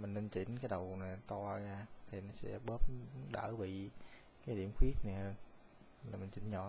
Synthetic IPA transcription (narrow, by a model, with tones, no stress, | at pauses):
mï˨˩ŋ̟ne˧nt͡ɕi˧˩˦ŋkaː˨˦jɗə˨˩wna˨˩˦t̪ɔ˧a˧ɣaː˧t̪ʰi˨˩nɔ˨˦sɛ̰˧˥ɓəː˦˥p̚ɗə̰ː˧˩vḭ˧˨ | kaː˨˦jɗḭ˧˩əmxwi˦˥ət̚na˨˩jhəː˧n | laː˨˩mi˨˩ŋ̟t͡ɕḭ̟˧˨˦ɲɔ̰˧˨